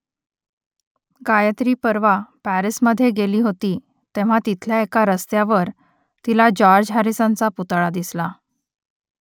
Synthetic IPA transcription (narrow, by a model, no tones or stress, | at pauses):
ɡajət̪ɾiːpəɾʋapæɾisməd̪ʱːjeɡeliːɦot̪iː | t̪eʋ̤at̪it̪ʰljaekaɾəst̪jaʋəɾ | t̪ilad͡ʑɔɾd͡ʑɦaɾisãnt͡saput̪ɭad̪isla